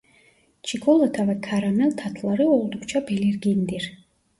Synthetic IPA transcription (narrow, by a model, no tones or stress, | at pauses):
t͡ʃʰikʰɔlˠat̪ʰavɛkʰaɾamɛlt̪ʰat̪ʰlaɾiɔlˠd̪ukʰt͡ʃʰabɛliɾɡind̪iɾ